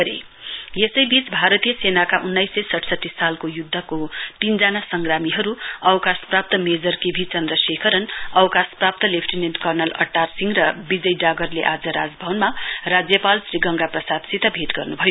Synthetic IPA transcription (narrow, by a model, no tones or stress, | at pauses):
ʌɾḛ | jesʌjbit͡sbʱaɾʌt̪ijʌsenakaʔunːʌjsʌjsʌʈʰsʌt̪ːisalkojud̪ʱːʌkot̪ind͡zanasʌŋɡramiɦʌɾuʌwkasprap̚t̪ʌmed͡zʌrkebʱit͡sʌnd̪rʌsekʰʌɾʌnʌwkasprap̚t̪ʌlepʰʈinenʈkʌrnʌlʌ̰ʈːarsiŋɡrʌbid͡zʌjɖaɡʌrleʔad͡zʌɾa̰d͡zbʱʌwnmarad͡zjʌpalsriɡʌŋɡaprʌsad̪sit̪ʌbʱit̪ɡʌrnubʱʌjo